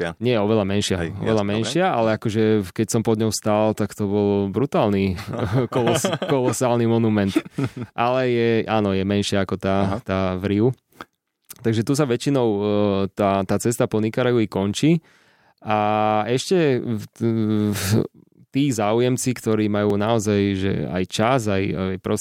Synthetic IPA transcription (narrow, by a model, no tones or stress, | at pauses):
ɲɪɛjɛɔʋɛlamɛnʃɪaɔ̰ʋɛlamɛnʃɪaʔa̰lɛakɔʒɛkɛcsɔmpɔd̪ɲɔʊst̪alt̪akt̪ɔbɔlbɾut̪aːlnikɔlɔskɔlɔsaːlnimɔnumɛnt̪ʔalɛjɛʔaːnɔjɛmɛnʃɪaakɔt̪at̪aːʋɾiʊ | t̪aɡʒɛt̪us̬aʋɛt͡ʃinɔʊt̪aːt̪aːt͡sɛst̪apɔnikaɾajuikɔnt͡ʃiː | ʔaɛʃcɛ | t̪iːzaːujɛmt͡sikt̪ɔɾiːmajuːnaɔzajʒɛ̰a̰jt͡ʃazajajpɾɔ